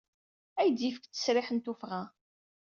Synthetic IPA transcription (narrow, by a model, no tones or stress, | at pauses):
æjd̪ifə̥kt̪ːə̥sɾɪħənt̪ufʁa